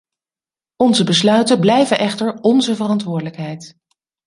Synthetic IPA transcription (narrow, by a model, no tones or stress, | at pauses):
ɔnzəbəslœɥtəblɛjvənʔɛχtəɹɔnzəvərɑntʋʊːɹdələkɦɛjt